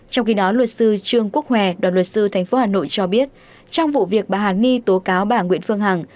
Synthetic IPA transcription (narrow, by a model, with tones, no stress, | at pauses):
t͡ɕɔ˧wŋ͡mxi˧ɗɔ˨˦lwə˨˩t̚sɨ˧t͡ɕɨ˧əŋku˦˥ək̚hwɛ˧˨˩ɗwaː˨˩nlwə˨˩t̚sɨ˧t̪ʰa˨˩jŋ̟fo˨˦haː˨˩no̰˧˨jt͡ɕɔ˧ɓi˦˥ət̚ | t͡ɕɔ˧wŋ͡mvṵ˧˨vi˨˩ək̚ɓaː˨˩ɦaː˨˩n̚ŋi˧t̪o˨˦kaː˨˦wɓaː˧˩ŋwḭ˧˥ənfɨ˧əŋɦa˨˩ŋ